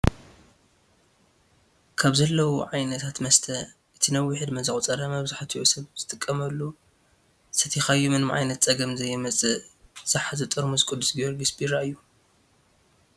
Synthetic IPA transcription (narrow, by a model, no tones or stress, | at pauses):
kʰaβzɐlːɐwuʕajnɐt̪ʰat̪mɐst̪ʰɐʔɨt̪ʰinɐwːʊħɨd̪mɐzɨxʼt͡sʼɐɾamɐβzaħat̪ʰiosɐβz̥ɨt̪ʼɨkʼːɐmɐlːu | sɐt̪ʰixajumɨnmʕa̰jnɐt̪t͡sʼɐɡɐmzɐjːɛmɐt͡sʼɨz̥aħazɨt̪ʼɨɾmuzɨkʼʊd̪ːu̥sɡijoɾɡɨsbiɾaɨjːu